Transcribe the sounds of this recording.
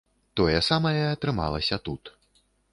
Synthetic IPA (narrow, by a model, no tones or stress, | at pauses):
t̪ɔjɛsamɐjɛɐt̪ɾɨma̰lˠɐsʲɐt̪ut̪